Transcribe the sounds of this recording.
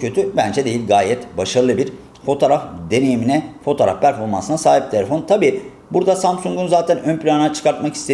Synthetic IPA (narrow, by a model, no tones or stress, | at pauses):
ø̞t̪ʰybænd͡ʒɛd̪e̞jilʲɡaːjɛt̪baʃaɾɯlˠɯbiɾ | fo̞t̪ʰoɾafd̪e̞ne̞jiminɛfo̞t̪ʰoːɾa̰fpʰæɾfo̞ɾmansɯnasaːɦip̚t̪ʰe̞lʲefo̞nt̪ʰabiː | buɾd̪asamsuŋɡunzaːt̪ʰænønplʲanɯnat͡ʃʰɯ̥kaɾt̪makist̪ʰe